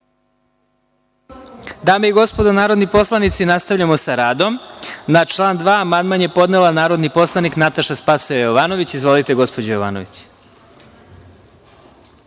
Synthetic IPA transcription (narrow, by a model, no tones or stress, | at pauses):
d̪aːmeiɡo̞spo̞d̪onaːɾo̞d̪nipo̞slˠanit̪sinast̪aʋʎamo̞saɾaːd̪o̞mnat͡ʃlˠaːnd̪ʋaːmand̪manje̞po̞d̪nelanaːɾo̞d̪nipo̞slˠaniknat̪aʃaspasujejoʋaːno̞ʋit͡ɕizʋo̞lit̪e̞ɡo̞spod͡ʑajoʋa̰ːno̰ʋit͡ɕ